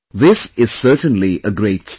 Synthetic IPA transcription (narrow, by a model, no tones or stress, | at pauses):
ðɪsɪz̥sɜ˞tə̃nliəɡɾeɪts